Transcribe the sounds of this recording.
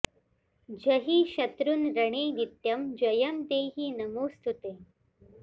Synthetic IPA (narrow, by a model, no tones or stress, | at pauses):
d͡ʒɐɦiʃɐt̪ɾunɾɐɳeːnit̪jɐmd͡ʒɐjɐmd̪eːɦinɐmoːst̪ʰut̪eː